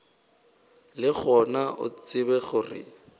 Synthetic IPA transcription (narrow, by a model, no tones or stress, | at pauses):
lɪχɔnaʔʊ̰t͡sɪbɛɣʊrɪ̰